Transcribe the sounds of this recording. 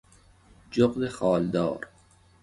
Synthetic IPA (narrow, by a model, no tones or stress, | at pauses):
d͡ʒoqd̪exɒːld̪ɒːɾ